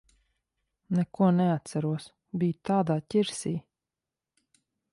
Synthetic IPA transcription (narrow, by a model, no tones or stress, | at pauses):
nɛkuɔnɛat̪sæɾuɔs | bʲijt̪aːd̪aːtʲiɾsiː